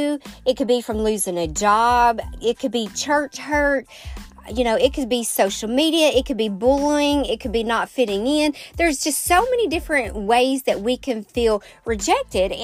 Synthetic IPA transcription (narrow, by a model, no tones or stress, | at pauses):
ɨt̚kʰɨd̚bifɹʌ̃mlʉzɪ̃ŋɨd͡ʒɑbɪt̚kʰɨd̚bit͡ʃʰɜ˞t͡ʃhɜ˞t̚ | jɨñoʊɨt̚kʰɨd̚bisoʊʃl̩ˠmiɾiɨʔɪt̚kʰɨd̚bibʊlˠɪ̃ŋɪt̚kʰɨd̚binətfɪɾɪ̃ŋɪ̃nðə˞zd͡ʒʌstsoʊmɛñidɪfɹɨ̃nʔweɪzðɨt̚wikʰɨ̃nfilˠɹɨd͡ʒɛk̚tɪɾ